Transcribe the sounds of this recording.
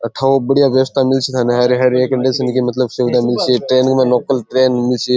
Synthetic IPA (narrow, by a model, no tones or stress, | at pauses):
əʈʰaʋobəɽijaʋjɐʋəst̪ʰamilt͡ʃʰit̪ʰaneɦaɾiɦaɾiekəɳɖesənkimɐt̪ləbseʋd̪amɪlt͡ʃʰiʈɾeːnkmẽnoːkəlʈɾeːnmilt͡ʃʰi